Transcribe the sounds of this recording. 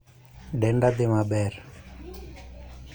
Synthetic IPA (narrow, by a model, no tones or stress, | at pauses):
ɖɛɳɖad̪emabɛɾ